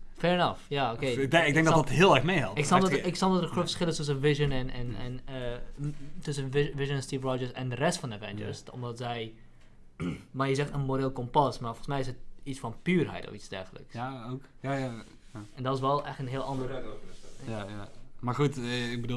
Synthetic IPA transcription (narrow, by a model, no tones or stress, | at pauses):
fɛɹɛnɑfjaːokeɪɡ̚dɛ̃ŋɡdɔdɔtɦɪəlˠɛɹxmejhɛlˠtɪksɔɪksɔlˠdɔtəχufəsχɪlˠətɵs̬ənʋɪʒənɛnɛ̰nɛn | tɵsənʋɪʒənnstiːfrɔd͡ʒəɹsɛ̰ndərɛstfɔndəvɛnd͡ʒə̰ɹstɔ̰mdɔtsɛj | majəzɛxtənmoɾelˠkɔmpɑsmarfɔlˠsmɛjɪsət̚isfɔnpyːrɦɛ̰jtɔ̰fisd̥ɛ̰rɣələ̰ksok | jaja | aɛndɔtɪs̬ʋɛlˠɛxtənɦɪəlˠɑndərɛoaamaɹxutɪɡ̚bədu